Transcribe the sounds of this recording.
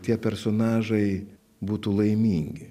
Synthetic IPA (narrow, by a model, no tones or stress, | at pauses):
t̪ʲiɛpʲɛɾsonɑːʒɐɪ | buːt̪uːlˠɐɪmʲiːŋʲɡʲɪ